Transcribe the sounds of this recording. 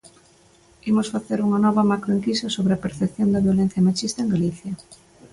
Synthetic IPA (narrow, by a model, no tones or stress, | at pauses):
imosfaθeɾuŋɐnɔβɐmakɾoiŋkisɐsoβɾeɐpeɾθepθjond̪ɐβjolen̟θjɐmat͡ʃist̪ɐeŋɡaliθjɐ